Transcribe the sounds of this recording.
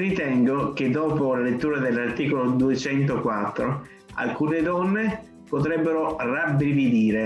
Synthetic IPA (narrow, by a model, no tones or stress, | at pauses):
rit̪ɛŋɡok̟ed̪ːɔːpolalet̪ːuːɾad̪elːart̪iːkolod̪uet͡ʃɛnt̪okwat̪ːɾo | a̰lkuːned̪ɔnːe | pot̪̬ɾɛbːeɾorabɾivid̪iːɾe